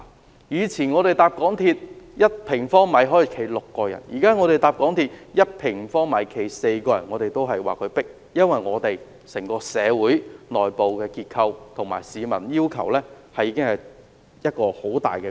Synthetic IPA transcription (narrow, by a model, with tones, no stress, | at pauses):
jyː˨˧t͡sʰiː˨˩nŋɔː˨˧ɾe˨jt̪aː˧p̚kɔː˨˥ŋt̪ʰiː˧t̚jɐ˥t̚pʰɪ˨˩ŋfɔː˥ŋmɐ˨˥jɦɔː˨˥jkʰe˨˩jlʊ˨kːɔː˧jɐ̰˨˩njiː˨˩kaː˥ŋɔː˨˧t̪e˨jt̪aː˨p̚kɔː˨˥ŋt̪ʰiː˧t̚jɐ˥t̚pʰɪ˨˩ŋfɔː˥ŋmɐ˨˥jkʰe˨˩jse˧jkɔː˧jɐ˨˩nŋɔː˨˧t̪e˨jt̪o˥wɦɐ˨jwa̰ː˨˩kʰɵ˨˧ɥpɪ˥k̚ | jɐ˥nwɐ˨jŋɔː˨˧t̪e˨j | sɛ˨˩ŋkɔː˧sɛː˨˧wuː˨˥jnɔː˨˩jpo˨wkɛː˧kiː˧t̚kʰɐ˧wt̪ʰŋma̰ː˨˩jsiː˨˧mɐ˨˩njiː˥wkʰɐ̰˨˩wlɛː˥ | hɐ˨jːiː˧kɪ˥ŋhɐ˨j | jɐ˥t̚kɔː˧ho˨˥wt̪a̰ː˨jkɛː˧